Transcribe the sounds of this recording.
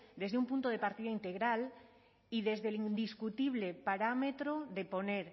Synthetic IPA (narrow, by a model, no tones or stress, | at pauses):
d̪ezðeumpunt̪oðe̞paɾt̪iðaint̪e̞ɣɾal | iðe̞zðelind̪iskut̪iβ̞le̞paɾame̞t̪ɾoðe̞po̞neɾ